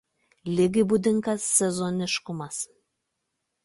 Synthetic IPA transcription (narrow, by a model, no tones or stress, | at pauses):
lʲɪɡʲɪbud̪ʲɪŋkɐsːʲɛzonʲɪʃkʊmɐs